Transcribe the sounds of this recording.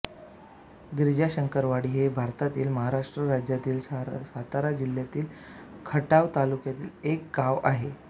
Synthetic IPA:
ɡɾid͡ʑaɕəŋkəɾʋaɽiːɦebʱaɾt̪at̪iːlməɦaɾaʂʈɾəɾad͡ʑjat̪iːlsat̪aɾad͡ʑil̤ːjat̪iːl | kʰəʈaʋt̪alukjat̪iːlek̚ɡaʋaɦe

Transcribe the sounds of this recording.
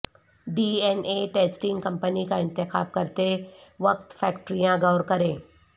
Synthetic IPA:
ɖiːɛneʈeːsʈɪ̃ŋɡkɐ̃mpənikaɪ̃nt̪ɪxaːb̚kɐɾt̪eʋɐk̚t̪fɛːkʈɾijãɡɐːɾkɐɾẽː

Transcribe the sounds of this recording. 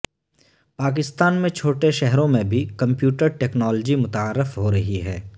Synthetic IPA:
paːk̬ɪst̪aːnmẽt͡ʃʰoːʈeʃɛɦɾõmẽbʱikɐ̃mpjuːʈəɾʈeːknɔːld͡ʒimʊt̪aːɾːɪfɦoɾɐɦiɦɛː

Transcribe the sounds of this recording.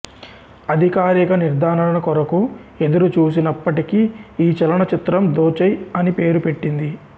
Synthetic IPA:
ɐd̪ʱikaːɾikɐniɾd̪ʱaːnɐɐɳɐkɔɾɐkue̞d̪ɐɾut͡ʃuːs̬inɐpːɐʈikiːt͡ʃɐlɐɳɐt͡ʃit̪ɾɐmd̪oːt͡ʃɐjɐnipe̞ːɾupe̞ʈːind̪i

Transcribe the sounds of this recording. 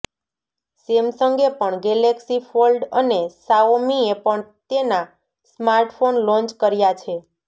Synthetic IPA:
semsəŋɡepəɳɡeleksifʰolɖənesaomiepəɳt̪ena | smaɾʈfʰonlɔ̃nt͡ʃkəɾjat͡ʃʰe

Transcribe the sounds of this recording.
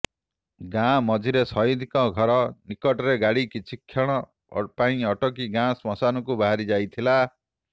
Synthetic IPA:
ɡãmɔd͡ʒʱiɾesɔjid̪ʱikɔɡʱɔɾɔnikɔʈɔɾeɡaɽikit͡ʃʰikʰːjɔɽ̃ɔ | paĩɔʈɔk̬iɡãsmɔsanɔkubaɦaɾid͡ʒajt̪ʰila

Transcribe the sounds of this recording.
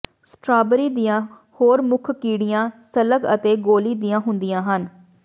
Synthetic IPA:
sʈɾaːbəɾiːd̪ɪjãː | hoːɾmʊkʰkiːɽɪjãːsələɡə̰t̪eːɡoːliːd̪ijãːɦʊnd̪ɪjãːɦən

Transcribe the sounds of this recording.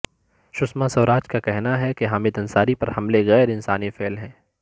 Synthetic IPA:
ʃʊsmasɐːɾaːd͡ʒkakɛɦnaɦɛkeɦaːmɪd̪ɐ̃nsaːɾipɐɾhɐmleɣɛːɾɪnsaːnifeːlɦɛ̃ː

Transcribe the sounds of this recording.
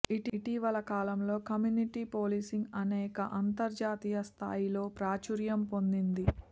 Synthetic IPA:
iʈiʈiʋɐlɐkaːlɐmlo̞ːkɐmjuniʈiːpoːlisiŋɡɐnɛːkɐʔɐnt̪ɐɾd͡ʒaːt̪ijɐst̪ʰa̰ːjilo̞ːpɾaːt͡ʃuɾjɐmpo̞nd̪ind̪i

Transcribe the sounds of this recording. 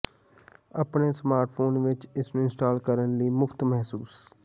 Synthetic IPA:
əpɳeːsmaːɾʈfʰoːnʋɪt͡ʃɪsnũːɪ̃nsʈaːlkəɾənləiːmʊft̪mɛɦsuːs

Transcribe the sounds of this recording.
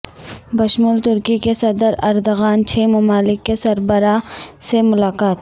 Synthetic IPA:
bɐʃmult̪ʊɾkikesɐd̪əɾɐɾd̪ɣaːnt͡ʃʰeːmʊmaːlɪkːesɐɾbəɾasemʊlaːkaːt̪

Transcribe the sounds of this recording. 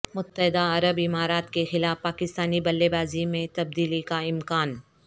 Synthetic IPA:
mʊt̪ːəɦɪd̪aɐɾəbɪmaːɾaːt̪kexɪlaːfpaːkɪst̪aːnibɐlːebaːzimẽt̪ɐb̚d̪iːlikaɪmkaːn

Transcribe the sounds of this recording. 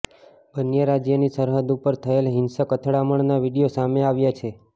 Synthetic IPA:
bənjəɾad͡ʒjənisəɾɦəd̪upəɾt̪ʰəelɦɪnsəkət̪ʰɽaməɳnaʋiɽijosameaʋjat͡ʃʰe

